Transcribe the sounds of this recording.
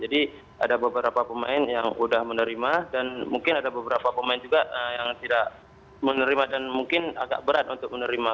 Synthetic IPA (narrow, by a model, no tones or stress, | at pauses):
d͡ʒadi | ʔa̰dabəbəɾapapəmaɪnjaŋudahmənəɾimadanmuŋkɪnadabəbəɾapapəmaɪnd͡ʒuɡaəjaŋt̪idak̚ | mənəɾimadanmuŋkɪna̰ɡa̰ʔbəɾat̪̚unt̪ʊk̚mənəɾima